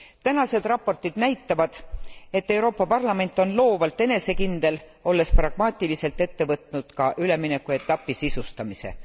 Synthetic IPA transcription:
t̪ænɑse̞d̪̥rɑpːo̞rt̪ˑid̪̥næjt̪ːɑvɑd̪̥e̞t̪ːe̞wɾo̞ːpˑːɑpɑrlɑme̞nt̪ːˑo̞nlo̞ːvɑlt̪ːe̞ne̞se̞kind̪̥e̞l | o̞lːe̞sprɑɡ̥mɑːt̪ʲːˑilise̞lt̪ːe̞t̪ːe̞vɤt̪ˑnud̪̥kɑʔyle̞minekːˑue̞t̪ːˑɑpːˑisisust̪ɑmise̞̰

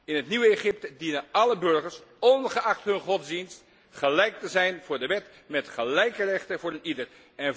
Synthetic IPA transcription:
ɪnɦətniʋəeχɪp̚tədinənɑləbɵɹχəɹsɔnχəɑχtɦɵnχɔtzdinst | χəlɛjk̚təzɛjnvʊːɹdəʋɛt | mɛtχəlɛjkərɛχtəvʊːɹənidəɹ | ɛn

